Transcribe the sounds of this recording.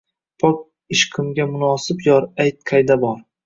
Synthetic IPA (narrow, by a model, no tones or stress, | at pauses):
pʰɒk̚ | ɪʃqʰɨmɡʲamʊnɒːsɪpjɒɾajt̪̚qʰajd̪abɒɾ